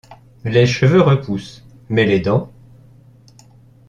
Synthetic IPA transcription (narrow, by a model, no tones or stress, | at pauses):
leʃəvøʁəpus | mɛled̪ɑ̃